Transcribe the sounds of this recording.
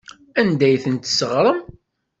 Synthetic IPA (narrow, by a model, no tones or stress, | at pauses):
ænd̪æjθənt̪səʁɾˤəm